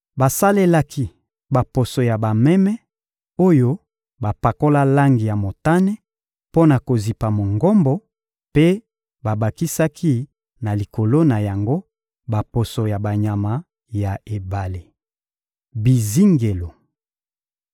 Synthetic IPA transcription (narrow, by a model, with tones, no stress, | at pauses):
ba˨sa˦le˦la˦kʰi˦ | ba˨po˨so˨ja˨ba˨mɛ˦mɛ˦ | o˦jo˦ | ba˨pa˨ko˦la˦la˦ŋɡi˨ja˨mo˨ta˦nɛ˦ | po˦na˨ko˨zi˨pa˨mo˨ŋɡo˦mbɔ˦ | pe˦ | ba˨ba˨ki˦sa˦kʰi˦ | na˨li˨ko˨lo˦na˨ja˨ŋɡo˦ | ba˨po˨so˨ja˨ba˨ɲa˨ma˨ | ja˨e˨ba˨le˨ | bi˨zi˦ŋɡe˨lo˨